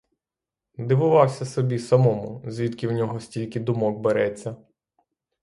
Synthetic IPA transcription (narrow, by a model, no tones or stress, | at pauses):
d̪ɪʋʊʋɑwsʲɐsɔbʲisɐmɔmʊzʲʋʲit̪kʲɪwnʲɔɦɔsʲtʲilʲkɪd̪ʊmɔɡ̚beɾɛt͡sʲːɐ